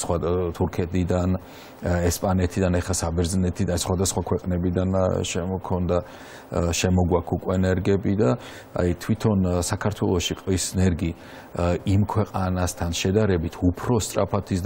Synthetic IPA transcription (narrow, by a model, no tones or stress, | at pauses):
swat̪ʰuɾkʰɛt̪ʰid̪an | ɛspʼanɛt̪ʰid̪anɛχasabɛɾznɛt̪ʰid̪aasχwad̪asχwakʰwɛqʼnɛbid̪anʃɛkʰɔnd̪a | ʃɛmɔɡwakʰukʼwɛnɛɾɡɛbid̪a | a̰jt̪ʰwit̪ʰɔnsakʰaɾt̪ʰwɛlˠɔʃiqʼvisnɛɾɡi | imkʰwɛqʼanast̪ʰanʃɛd̪aɾɛbit̪ʰupʰɾɔst̪ʼɾa̰pʰat̪ʰisd̪